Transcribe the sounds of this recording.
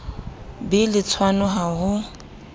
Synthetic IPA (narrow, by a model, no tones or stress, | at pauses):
bɪlɪt͡sʰwanʊɦaɦʊ